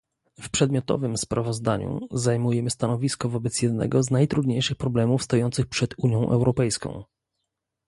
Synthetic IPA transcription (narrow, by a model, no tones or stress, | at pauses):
fpʂɛd̪mʲɔt̪ɔ̰vɘmspɾavɔzd̪aɲṵzajmujɛmɘst̪anɔvʲiskɔvɔbɛt̪sjɛd̪nɛ̰ɡɔznajt̪ɾud̪ɲejʂɘxpɾɔblɛmufst̪ɔjɔnt̪sɘxpʂɛd̪uɲjɔ̃w̃ʔɛ̰wɾɔpɛjskɔ̰̃w̃